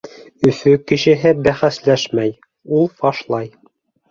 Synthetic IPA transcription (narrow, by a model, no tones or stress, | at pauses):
ɵ̆fɵkɘ̆ʃɘ̆ɦɘbæχæslæʃmæj | ulˠfɑʃlˠɑj